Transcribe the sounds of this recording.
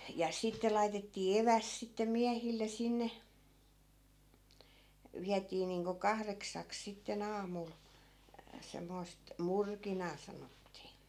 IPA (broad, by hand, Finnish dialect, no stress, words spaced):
jɑ sitːe lɑitetːiː eʋæst̆ sitːe miæhilːe sinːe ʋiætiː niːŋko kɑhreksɑks sitːen ɑːmul semːoi̯st murkinɑː sɑnotːiː